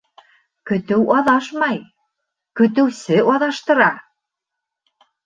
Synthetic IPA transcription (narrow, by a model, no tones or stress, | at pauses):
kɵ̆t̪ɘ̆wɑðɑʃmɑj | kɵ̆t̪̬ɘ̆wsɘ̆ʔɑðɑʃt̪ɤ̆ɾɑ